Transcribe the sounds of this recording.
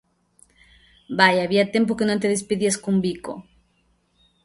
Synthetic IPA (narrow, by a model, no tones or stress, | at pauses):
bajaβiat̪jemp̬oke̞not̪̬eðespiðiaskumbiko̰